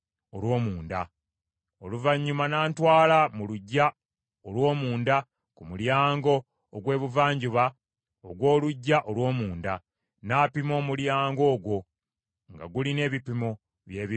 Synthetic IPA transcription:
olwo̞ːmuːnda | oluvaɲːumanaːntwaːlamuluɟːa | olwo̞ːmuːnda | kumuljaːŋɡo̞ː | ɡwe̞ːβuvaːɲɟuβa | o̰ɡwo̞ːluɟːaʔolwo̞ːmuːnda | naːpimo̞ːmuljaːŋɡo̞ːɡwo̞ | ŋɡa̰ɡuline̞ːβipimo | βje̞ːβi

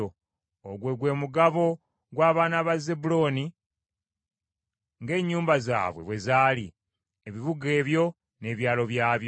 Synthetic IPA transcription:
o | oɡwe̞ɡwe̞ːmuɡaβo̞ | ɡwaːβaːnaβazebulo̞ni | ŋɡe̞ːɲːuːmbaza̰ːβwḛβwe̞zaːlḭ | eβiβuɡe̞ːβjo̞ | ne̞ːβjaːlo̞βjaːβjo

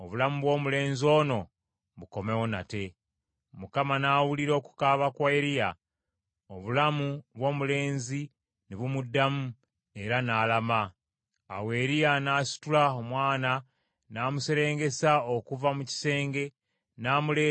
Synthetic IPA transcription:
oβulamuβwo̞ːmule̞ːnzio̞no̞ | βuko̞me̞wona̰te̞ | mukamanaːwuliɾo̞ku̥kaβakwaeɾija | oβulamuβwo̞ːmule̞ːnzi | neβumudːamu | e̞ɾanaːlama | a̰we̞ːɾijanaːsi̥tulaomwaːna | naːmuse̞ɾe̞ːŋɡe̞saokuvamuci̥se̞ːŋɡe̞ | naːmuleː

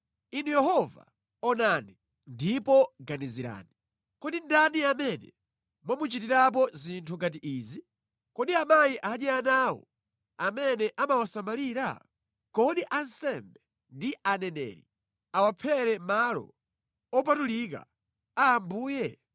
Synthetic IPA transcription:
inujɛɦɔva̰ | ɔnani | ndipɔɡaniziɾa̰ːni | kɔɗindaniamɛnɛ̰ | mwamut͡ʃitiɾap̬ɔzintʰuŋɡat̬iʔiːzi | kɔɗiamaiʔaɲɛjanaːwɔ̰ | amɛnɛʔamawasamaliːɾa̰ | kɔɗiʔansɛmbɛ | ndianɛnɛ̰ːɾḭ | awapʰɛɾɛmalɔ̰ | ɔp̬atulika̰ | aːmbuːjɛ

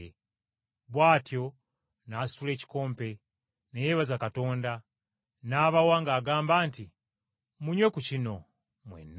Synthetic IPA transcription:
βwaːtjo̞ | naːsule̞ːci̥ko̞ːmpe̞ | nejeːβazakato̞ːnda | naːβawaŋɡaːɡaːmbaːnti | muɲwe̞kucino̞ | mwḛnː

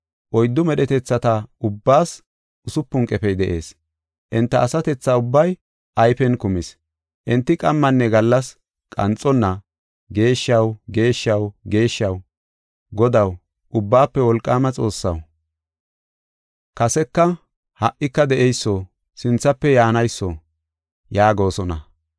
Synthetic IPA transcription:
ʔɔjd̪ːʊmɛɗɛt̪ɛt͡sːɐt̪ɐʊbːaːs | ʊsʊpːʊŋkʼɛpɛjd̪ɛʔe̞ːs | ʔɛnt̪ːɐʔːsɐt̪ɛt͡sːaːʊbːɐj | ʔɐjfɛnkʊmɪs | ʔɛnt̪ːɪkʼɐmːɐnːɛɡɐlːɐs | kʼɐ̰nt͡sʼɔnːɐ | ɡe̞ːʃːɐwɡe̞ːʃːɐwɡe̞ːʃːɐw | ɡɔd̪ɐw | ʔʊbːaːpːɛwɔlkʼːaːmɐt͡sʼo̞ːsːɐ̰w | kɐsɛkːɐ | hɐʔɪkːɐd̪ɛʔɛjsːo | sɪnt͡sːɐpːɛjaːnɐjsːɔ | jaːɡo̞ːsɔnɐ̰

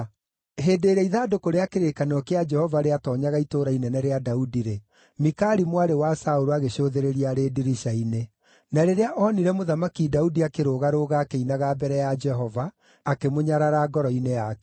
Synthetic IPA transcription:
ɦeːdeːɾɛiðaːdokoɾeakeɾekanɔkead͡ʒɛhɔvaɾeatɔːɲaɣaitoɾainɛnɛɾeadaudiɾe | mikaɾimwaɾewasaoɾoaɣeɕoːðeɾeɾiaɾediɾiʃaine | naɾeɾeaʔɔniɾɛmoðamakidaudiakeɾoɣaɾoːɣaːkeinaɣabɛɾɛjad͡ʒɛɦɔvaː | kemoɲaɾaɾaːɡɔɾɔineak

